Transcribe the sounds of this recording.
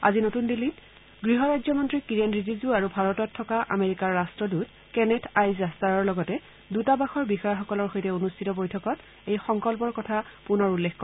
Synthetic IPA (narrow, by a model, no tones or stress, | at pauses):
a̰zinotundilːit | ɡɹiɦɔɹajzɔmɔntɹikiɹenɹizizuaɹubʱaɹɔtɔtʰːɔkaʔa̰meɹikaɹːastɹɔdut̚ | kɛnɛtʰajzastaɹɔɹlɔɡɔtɛ | dutabaxɔɹbixɔjɔxɔkɔlɔɹxojtɛonustʰitɔbojtʰɔkɔt | ejxɔŋkɔlpɔɹkɔtʰapunɔɹulːexkɔ